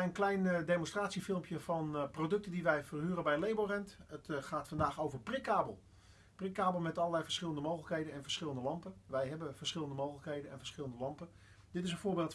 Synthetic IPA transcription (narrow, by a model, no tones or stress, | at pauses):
ənklɛjndejmɔnstraːtsifɪlˠmpjəvɑnprowdɵk̚tədiʋɛjvərɦyːrəbɛjlejborɛntətχaːtfɑndaːχowvəɹprɪkaːbəlˠ | prɪkaːbəlˠmɛtɑlˠəlɛjvəɹsχɪlˠəndəmowxχələkɦejdənɛnvəɹsχɪlˠəndəlɑmpəʋɛjɦɛbəv̥əɹsχɪlˠəndəmowχələkɦejdənɛ̰nvəɹsχɪləndəlɑmpə | d̥ɪtɪs̬ə̃nvʊːɹbeːlˠt